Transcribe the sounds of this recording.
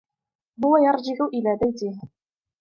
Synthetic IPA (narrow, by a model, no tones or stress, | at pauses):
hʊwajɑɾˤd͡ʒɪʕʊʔɪlaːbajt̪ɪh